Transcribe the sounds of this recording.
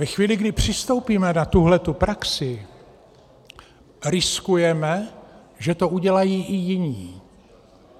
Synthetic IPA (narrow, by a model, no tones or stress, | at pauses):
vɛxviːlɪɡdɪpr̝̥ɪst̪o̞wpiːmɛnat̪uɦlɛt̪upɾaksɪ | ɾɪskujɛmɛ | ʒɛt̪o̞uɟɛlajiːʔɪjɪɲiː